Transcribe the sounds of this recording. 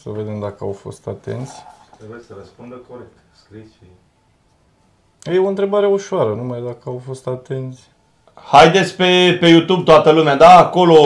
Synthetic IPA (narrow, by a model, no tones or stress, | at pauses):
səve̞d̪emd̪akəa̰wfo̞̰st̪at̪e̞̰nt̪sʲ | t̪ebesəɾəspund̪əkoɾek̚t̪skɾi | jeont̪ɾe̞baɾe̞uʃoaɾənumajd̪akəawfo̞st̪at̪e̞nt̪sʲ | hajd̪e̞t̪sʲpepe̞jut̪ub̚t̪oat̪əlumead̪aːko̞lo̞